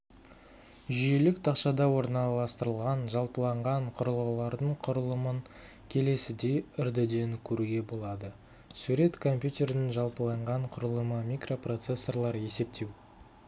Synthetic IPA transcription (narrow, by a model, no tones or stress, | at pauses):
ʒʏje̞lɪkt̪ʰɑqʃɑd̪ɑwo̞ɾnɑlˠɑst̪əɾəlˠʁɑnʒɑlˠpəlˠɑɴʁɑɴqʰʊɾəlˠʁəlˠɑɾd̪əɴqʰʊɾəlˠəməŋ | kʲʰe̞le̞sɪd̪e̞ʏɾd̪ɪd̪e̞ŋkʲʰɵɾuɡʲe̞bo̞lˠɑd̪ə | suɾe̞t̪kʰo̞mpʲjut̪ʲe̞ɾnɪŋʒɑlˠpəlˠɑɴʁɑɴqʰʊɾəlˠəməmʲikro̞pro̞t̪se̞sːo̞rlˠɑɾe̞se̞p̚t̪ʰe̞w